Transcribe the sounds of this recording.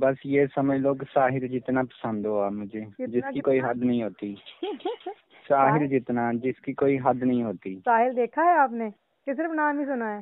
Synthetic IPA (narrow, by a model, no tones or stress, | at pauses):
bəsjeːsəməiloːksaːɦɪld͡ʒɪt̪naːpə̥sə̃nd̪ɦoːaːmʊ̃d͡ʒeːd͡ʒɪsiːkoːiɦəd̪nəɦĩːɦoːt̪iː | saːɦɪld͡ʒɪt̪nãːd͡ʒɪskiːkoːiːɦəd̪nəɦĩːɦoːt̪iːsaːɦɪld̪eːkʰaːɦɛaːpneː | kesɪɾəfnaːmiːsʊnaːɛː